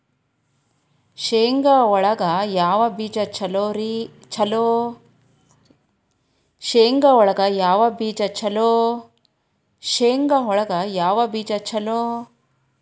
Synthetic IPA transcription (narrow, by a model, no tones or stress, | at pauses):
ʃeːŋɡɐɔɭɐɡɐjaːʋɐbiːd͡ʒɐt͡ʃʰɐloːɾi | t͡ʃʰɐloː | ʃeːŋɡɐɔɭɐɡɐjaːʋɐbiːd͡ʒɐt͡ʃʰɐloː | ʃeːŋɡɐɔɭɐɡɐjaːʋɐbiːd͡ʒɐt͡ʃʰɐloː